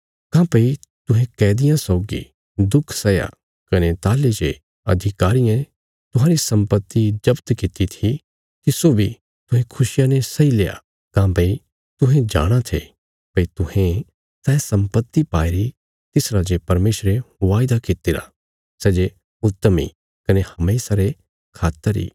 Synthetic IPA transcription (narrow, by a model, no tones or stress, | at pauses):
kãːpɐit̪ʊɦẽkɛːd̪ɪjãsɔːɡḭ | d̪ʊkʰsɐja̰ | kɐnet̪aːled͡ʒe | ɐ̰d̪ʱɪkaːɾiẽ | t̪ʊɦãːɾisɐ̃mpət̪ːid͡ʒɐbt̪kɪt̪it̪ʰi | kisoːbʱi | t̪ʊɦẽkʰʊʃɪjãnesɐileːja̰ | kãːbɐi | t̪ʊɦẽd͡ʒa̰ːɽ̃at̪ʰe | pɐit̪ʊɦẽ | sɛːsɐ̃mpət̪ːipaːeɾi | t̪ɪsɾad͡ʒepɐɾmeːʃɾeʋaːjɪd̪akɪt̪eːɾa̰ | sɛːd͡ʒe | ʊt̪ːmḭ | kɐnehɐmeːsaɾe | kʰaːt̪ːəɾḭː